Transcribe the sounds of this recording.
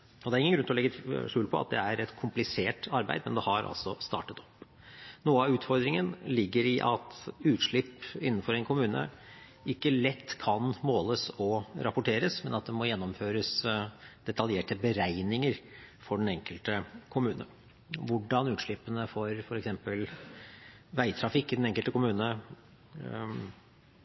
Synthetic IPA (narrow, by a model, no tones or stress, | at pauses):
ɔd̪ɛæɾɪŋənɡʉnɔlɛɡəʂʉːlpʰɔ̰ɑ̰t̪̚d̪ɛ̰æɾɛt̪kʰʊmplɪseːʈɑɾbæɪd̪mɛnd̪ɛhɑɾɑ̰lsɔst̪ɑ̰ːʈət̪ɔ̥pː | nuːəɑʉːt̪fɔɾd̪ɾɪŋənlɪɡːəɾɪʔɑt̪ʉːt̪ʂɭɪpːɪnːənfɔɾɛɪnkʰʊmʉːnə̰ | ɪkːəlɛt̪ːkʰɑnmoːləsɔɾɑpʊʈʰeːɾəsmɛnɑt̪̚d̪ɛmɔjɛnːɔmføːɾəsd̪̥ɛt̪ɑljeːʈəbəɾæɪnɪŋəɾfɔɖɛnɛŋkəlt̪əkʰʊmʉːnə | ʋʊɖɑnʉːt̪ʂɭɪpːənəfɔɾfɔɾɛksɛmpəl | ʋæɪt̪ʰɾɑfɪkːɪd̪ɛnɛŋkəlt̪əkʊmʉːnə